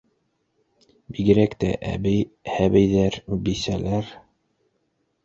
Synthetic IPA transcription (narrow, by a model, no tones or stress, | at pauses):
biɡɘ̆ɾækt̪æʔæ̰bɘjhæβæjðæɾbisælæɾ